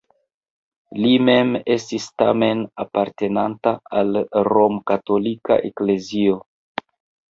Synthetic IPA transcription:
lime̞me̞stistame̞napaɾte̞nantaalɾo̞mkato̞lika̰ʔekle̞zio̞

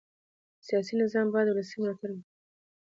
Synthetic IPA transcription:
sijɑs̬inɪzɑmbɑjd̪wlasijmlɑt̪ʰaɾwi

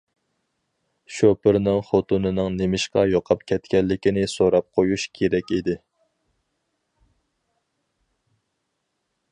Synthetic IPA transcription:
ʃopɪɾnɨŋχot̪unɨnɨŋnemɪʃqɑjoqʰɑpkʲʰɛt̪kʲɛlːɪkʲinɪsoɾɑp̚qʰojuʃkʲʰeɾɛkʲid̪ɪ

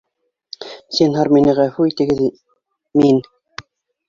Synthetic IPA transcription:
sinɦɑɾminɘ̆ʁæfʉit̪ɘ̆ɡɘð | min

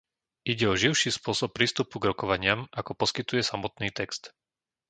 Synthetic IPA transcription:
ʔiɟɛɔʒiʊʃiːspʊɔsɔpːɾiːst̪upuɡɾɔkɔʋaɲɪamʔakɔpɔskit̪ujɛsamɔt̪niːt̪ɛkst̪

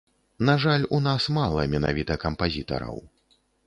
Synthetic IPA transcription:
naʐalʲunasmalˠɐ̰mʲɛna̰vʲit̪ɐkɐmpazʲit̪ɐ̰ɾɐ̰w

